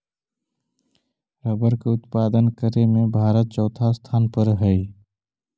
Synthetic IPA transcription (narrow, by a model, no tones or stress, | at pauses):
ɾəbəɾkeʊt̪paːd̪ənkəɾemẽbʱaːɾət̪̚t͡ʃɔːt̪ʰast̪ʰaːnpəɾɦəi